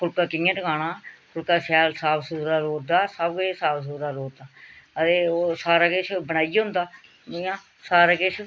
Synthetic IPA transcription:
kʰʊlkaːkɪãːʈkaːnaːkʊlkaːsaːlsaːbsudaːloːd̪aːsəbɡeːsaːbs̬uːɾaːloːd̪aːət̪eːoːsaːɾaːkɪʃbəɽ̃aːijɦʊ̃nd̪aː | jãː | saːɾaːkɪʃ

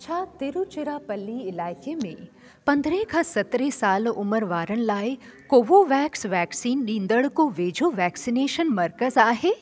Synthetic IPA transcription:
t͡ɕʰaːt̪ɪɾut͡ʃɪɾapɐlːiɪlaːɪkemḛ̃ | pɐ̃nd̪ɾẽkʰãːsɐt̪ɾesaːlʊməɾʋaːɾənɪ̆laːɪ | koːʋoʋɛːksʋɛːksiːnɗĩːnd̪əɽkoʋeːd͡ʑʱoʋɛːksineːʃənmɐɾkəzaːɦeː

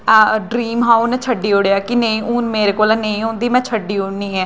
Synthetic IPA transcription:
ɖɾiːmɦãːunɛt͡ʃʰəɖːiːoːɽjːaːkɪneĩːʔuːnmeːɾeːkoːlɛːneĩːɦõːnd̪iːmɛ̃ːt͡ʃʰəɖːiːoːɽniːɦɛː

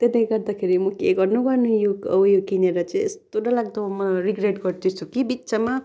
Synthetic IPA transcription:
t̪eneɡʌɾd̪akʰeɾimʌkeɡʌɾnubʌɾnujoʌjokineɾʌt͡sãḛst̪oɖʌlaɡd̪amʌɾiɡɾeʈɡʌɾt̪ʰut͡sʰukibitːsama

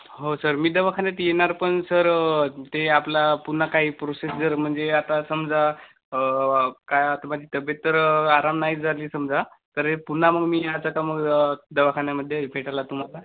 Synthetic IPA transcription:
ɦosəɾmiːd̪əʋakʰanjat̪jenaɾpəɳsəɾt̪eaplapun̤ːakaɦiːpɾosesd͡zəɾm̤əɳd͡zeat̪asəmd͡za | kajat̪əmad͡ʑʱiːt̪əbjet̪̚t̪ːəɾaɾamnaɦid͡zʱaliːsəmd͡zat̪əɾepun̤ːaməɡmiːat͡sakaməɡd̪əʋakʰaɳjaməd̪ʱːjepʰeʈalat̪um̤ala

